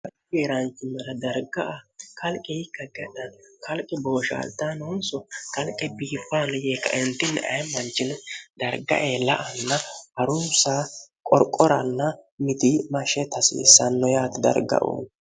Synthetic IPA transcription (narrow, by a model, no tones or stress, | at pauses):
kɐlɪɡeːɾɐnt͡ʃːɪmːɐɾɐd̪ɐɾɡɐʔakɐlkʼːɛjɪkːɐɡɛᶑɐnkɐlkʼːɪbo̞ːʃa̰ːlt̪ːanoːnsɔkɐlkʼɛbiːpːaːnɔjeːkːɐ̰ʔɪnt̪ːɪnːɛ̰ʔɐ̰jmɐnt͡ʃːɪnd̪̥ɐɾɡɐ̰ʔeːlɐʔɐnːɐhɐɾʊːsaːkʼɔɾkʼːɔɾɐnːɐmɪt̪imɐʃɛt̪ɐsḭːsɐnːɔjaːt̪ɪd̪ɐ̰ɾɡɐ̰ʔo̰ːn